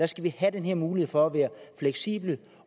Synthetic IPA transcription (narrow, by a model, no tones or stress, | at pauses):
æsɡ̥æʋihæd̥enheɐmuːliheð̩̰ˠfɒ̽æʋæːɐfleɡ̥sḭːb̥lə